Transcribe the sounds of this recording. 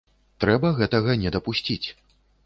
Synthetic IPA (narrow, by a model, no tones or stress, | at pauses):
t̪ɾɛbɐɣɛt̪ɐɣɐnʲɛd̪ɐpusʲt͡sʲit͡sʲ